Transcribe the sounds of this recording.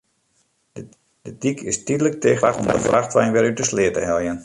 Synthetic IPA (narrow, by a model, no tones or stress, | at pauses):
d̥ədikʰɪstidələk̚tɪːxaχɔmdəfraxtʋɛjnʋɪɾytəslɪətəɦɛlˠjən